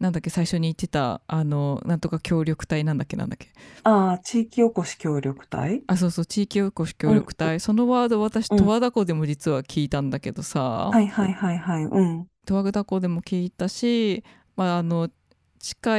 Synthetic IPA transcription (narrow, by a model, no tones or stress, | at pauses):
nãnd̪akːe̞saiɕo̞ɲ̟iːt̪ːe̞t̪a̰ano̞nãnt̪o̞kakʲo̞ːɾʲo̞kɯ̟̥t̪ainãnd̪akːe̞nã̰nd̪akːe̞at͡ɕiːkʲiokoɕi̥kʲo̞ːɾʲo̞kɯ̟̥t̪a̰ias̬o̞ːso̞ːt͡ɕiːkʲioko̞ɕi̥kʲo̞ːɾʲo̞kɯ̟̥t̪aiso̞no̞βaːd̪o̞βat̪aɕi̥t̪o̞βad̪ako̞ːd̪e̞mo̞d͡ʑit͡sɨβakʲiːt̪ãnd̪ake̞̰d̪̥o̞sa̰haihaihaihaiɯ̟̃ɴt̪o̞βaɡɯ̟d̪ako̞ːd̪e̞mo̞kʲiːt̪aɕi | maːno̞ | t͡ɕi̥ka